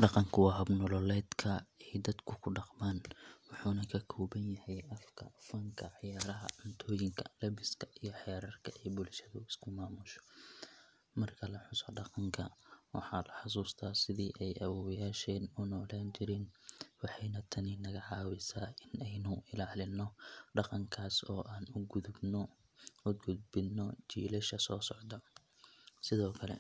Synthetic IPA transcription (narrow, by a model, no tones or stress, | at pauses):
ɖɑqɑŋkʰʊwɑɦɐbnɔlɔlɛːd̪kʰɐɛjd̪ɐd̪kʰʊkʰʊɖɑqmaːnwʊħuːnɐkʰɐkʰɔːβɐnjɐhɛjʔɐfkʰɐ̰fɐŋkʰɐʕjaːɾɐɦɐ̰ʊnt̪ʰɔːjɪŋkʰɐlɐβɪskʰɐʔijɞħɛːɾɐrkʰɐʔɛːbʊlʃɐðʊɪskʰʊmaːmʊʃɔ̥ | mɐrkʰɐlɐħʊsɔɖɑqɑŋkʰɐwɑ̰ħɑːlɐħʊsuːst̪ʰaːsɪðiːʔɛjʔɐwɔːjaːʃɛːnʊnɔːlaːnt͡ʃɪɾɪnwɑħɑjnɐt̪ʰɐninɐɣɐʕɑːwɪsaːʔɪnɛjnʊʔɪlaːlɪnːɔɖɑqɑŋkʰaːsɔːʔaːnʊɡʊðʊbn | ʊɡʊd̪̚bɪnɔt͡ʃiːlɐʃɐsɔːsɔʕd̪ɐ | sɪðɔːkʰɐlɛ̰